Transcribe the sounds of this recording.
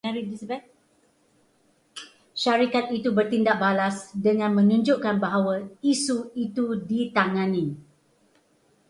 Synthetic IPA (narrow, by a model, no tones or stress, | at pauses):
ɛɾilisabɛt̚ | ʃaɾikat̪̚it̪ubərt̪indaʔ̚balasdəŋãnmə̃nũɲd͡ʒoʔkanbaɦawəisuit̪udit̪aŋãnĩ